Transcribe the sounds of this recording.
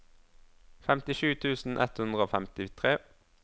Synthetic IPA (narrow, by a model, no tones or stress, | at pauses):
fɛmt̪ɪʃʉːt̪ʰʉːsn̩ʔɛ̰t̪hʉnd̪ʁəoːfɛmt̪ɪt̪ʰʁeː